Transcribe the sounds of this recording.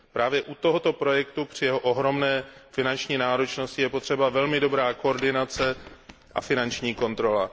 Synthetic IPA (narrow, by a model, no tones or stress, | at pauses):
pɾaːvjɛʔut̪o̞ɦo̞t̪o̞pɾo̞jɛkt̪upr̝̥ɪjɛɦoʔoɦɾo̞mnɛːfɪnant͡ʃɲiːnaːɾo̞t͡ʃno̞scɪjɛpot̪r̥ɛbavɛlmɪdo̞bɾaːko̞oɾdɪnat͡sɛ | ʔa̰fɪnant͡ʃɲiːko̞nt̪ɾo̞la